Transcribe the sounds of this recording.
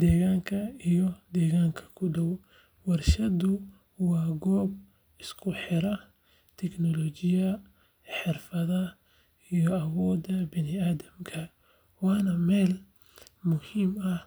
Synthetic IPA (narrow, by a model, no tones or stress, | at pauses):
d̪ɛːɣaːŋkʰɐijɔd̪ɛːɣaːŋkʰɐ̥kʰʊɖɔw | wɐrʃɐdʊ | wɑːɡɔːb̚ | ɪskʰʊħɪɾɐ | t̪ʰɛknɔlɔːt͡ʃɪjɐ | ħɪrfɐðɐ | ijɔɐwɔːd̪ɐbɪnɪaːðɐmkʰɐ | wɑːnɐmɛːl | mʊhiːmɐ